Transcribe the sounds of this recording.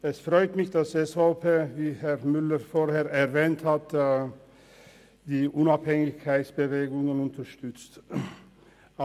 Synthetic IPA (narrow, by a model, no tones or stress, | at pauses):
ɛsfʁɔʏtmɪçd̥ɑsɛsfopʰeːviːhɛʁmʏləɾfoːɾheːɐɛʁvɛːnthatː | d̥iːʔʊnaphɛŋɪçkʰaɪtsb̥əveːɡʊŋənʊntəʃtʏt͡st